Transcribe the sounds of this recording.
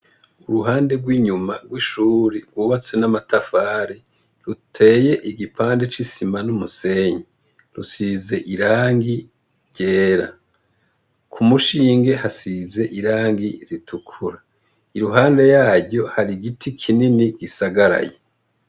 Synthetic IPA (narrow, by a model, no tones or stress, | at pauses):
uɾuɦaːnde̞ɡwiːɲumaɡwiːʃuːɾiɡwuːβat͡swenamatafaːɾi | ɾutʰe̞ːje̞ʔiɡipʰaːnde̞t͡ʃisimanumuse̞ɲi | ɾusize̞ʔiɾaːŋɡi | ɟe̞ːɾa̰ | kʰumuʃiːŋɡe̞hasize̞ʔiɾaːŋɡiɾitʰukʰuɾa | iɾuɦaːnde̞jaːɟo̞haɾiɡitʰikʰininiɡisaɡaɾa̰je